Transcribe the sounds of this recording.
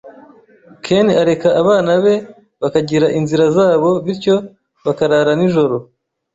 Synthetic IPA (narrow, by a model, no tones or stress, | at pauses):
kʰeniaɾe̞kaːβaːnaβe̞ | βakaɟiɾaʔinziɾazaːβo̞βiɾco̞ | βakaɾaːɾaniʒo̞ɾo̞